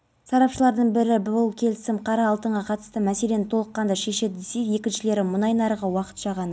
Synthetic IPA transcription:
sɑɾɑpʃəlˠɑɾd̪əɴbɪɾɪbʊlˠkʲʰe̞lɪsɪmqʰɑɾɑːlˠt̪əɴʁɑqʰɑt̪ə̥st̪əmæse̞le̞nɪt̪ʰo̞lˠəqːɑnd̪ɑʃe̞ʃe̞d̪ɪd̪ese̞kje̞kʲɪnʃɪle̞ɾɪmʊnɑjnɑɾəʁəwɑqə̥t̪ʃɑʁɑn

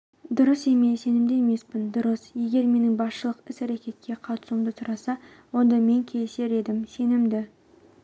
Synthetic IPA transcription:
d̪ʊɾəse̞me̞se̞nɪmd̪eeme̞spɪnd̪ʊɾəsje̞ɡʲe̞ɾme̞nɪŋbɑsʃəlˠəqɪsæɾekʲe̞t̪̚kʲʰːe̞qʰɑt̪ə̥sumd̪ət̪ʰʊɾɑsɑ | wo̞nd̪ɑme̞ŋkʲʰese̞ɾe̞d̪ɪmse̞nɪmd̪ɪ

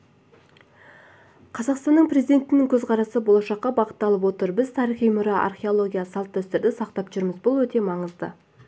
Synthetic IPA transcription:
qʰɑzɑqst̪ɑnːəɴpre̞zid̪ʲe̞nt̪ɪnɪŋkʲʰɵzqʰɑɾɑsəbo̞lˠɑʃɑqːɑbɑqə̥t̪ːɑlˠəp̬wo̞t̪əɾbɪzt̪ʰɑɾiχijmʊɾɑʔa̰rχʲeolˠo̞ɡʲijasɑlˠt̪ːæst̪eɾd̪ɪsɑq̚t̪ɑpʒʏɾɪmɪzbʊlˠwɵt̪e̞mɑɴəzd̪ə

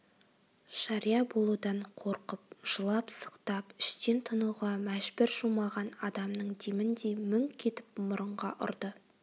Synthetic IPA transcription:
ʃɑɾijɑbo̞lˠud̪ɑɴqʰoɾqəp̚ʒ̥əlˠɑpsə̥qt̪ɑpɪ̥ʃt̪ent̪ʰənuʁɑmæʒbɪɾʒumɑʁɑnɑd̪ɑmnəɴd̪emɪnd̪emʏŋkʲʰe̞t̪ɪp̚mʊɾəɴʁɑʔʊ̰ɾd̪ə

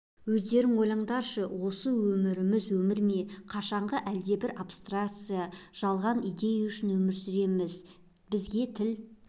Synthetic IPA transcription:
wɵzd̪e̞ɾɪŋwo̞jlˠɑɴd̪ɑɾʃəwo̞səwɵmɪɾɪmɪzwɵmɪɾmeqʰɑʃɑɴʁəʔæld̪e̞bɪɾapst̪rakt̪sɨjaʒ̥ɑlˠʁɑnijd̪e̞jaʏʃɪnwɵmɪɾsʏɾe̞mɪz | bɪzɡʲe̞t̪ʰɪl

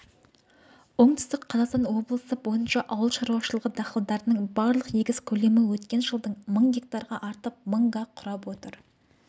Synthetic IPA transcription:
wo̞ɴt̪ʏ̥st̪ɪkqʰɑzɑqst̪ɑnwo̞blˠəsəbo̞jənʃɑʔɑwəlˠʃɑɾuwɑʃəlˠəʁəd̪ɑχəlˠd̪ɑɾənəɴbɑɾlˠəqje̞ɡʲɪz̥kʲʰɵle̞mɪwɵt̪kʲe̞nʒəlˠd̪əɴməɴɡʲe̞k̚t̪ɑɾʁɑʔɑɾt̪əp̚məɴʁɑqʰʊɾɑpwo̞t̪əɾ

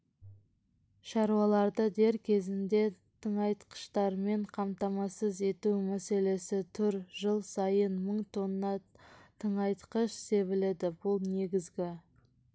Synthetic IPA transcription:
ʃɑɾuwɑlˠɑɾd̪əd̪e̞ɾkʲʰe̞zɪnd̪e̞ | t̪ʰəɴɑjt̪qə̥ʃt̪ɑɾme̞ɴqʰɑmt̪ɑmɑsəze̞t̪umæse̞le̞sɪt̪ʰʏɾʒəlˠsɑjənməɴt̪ʰo̞nːɑt̪ʰəɴɑjt̪qəʃse̞βɪled̪ɪbʊlˠne̞ɡʲɪzɡʲɪ

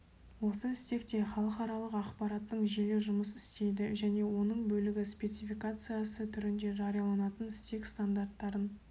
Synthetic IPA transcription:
wo̞səɪst̪e̞kt̪e̞χɑlˠəqɑɾɑlˠəqɑqpɑɾɑt̪ːəɴʒeleʒʊməsɪst̪e̞jd̪ɪʒæne̞wo̞nəɴbɵlɪɡʲɪspʲe̞t̪sifʲijkat̪sɨjasət̪ʰʏɾɪnd̪e̞ʒɑɾijɑlˠɑnɑt̪ənɪst̪e̞kst̪and̪art̪ːɑɾən

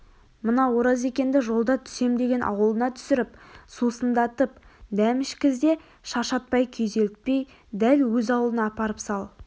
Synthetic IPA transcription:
mənɑwo̞ɾɑze̞kʲe̞nd̪ɪʒo̞lˠd̪ɑt̪ʰʏ̥se̞md̪e̞ɡʲe̞nʔɑ̰wəlˠənɑt̪ʰʏ̥sɪɾɪpsusənd̪ɑt̪əp̚d̪æmɪʃkʲɪzd̪e̞ | ʃɑʃɑt̪̚pɑjkʲʰejze̞lɪt̪̚pe̞j | d̪ælwɵzɑwəlˠənɑːpɑɾəpsɑlˠ

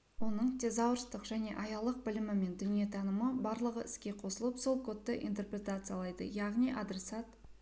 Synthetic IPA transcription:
wo̞nəɴt̪ʰe̞zɑwɾəst̪əqʒæne̞̰ʔɑjɑlˠəq̚bɪlɪmɪme̞nd̪ʏnije̞t̪ʰɑnəməbɑɾlˠəʁəʔɪskʲe̞qʰo̞səlˠəpso̞lˠkʰo̞t̪ːəʔḭnt̪e̞rpɾʲe̞t̪at̪sɨjalˠɑjd̪ə̰jɑʁnijʔad̪ɾe̞sɑt̪

